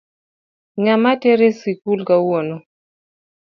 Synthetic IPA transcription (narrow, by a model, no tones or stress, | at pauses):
ɲamatɛɾesikulkawɔnɔ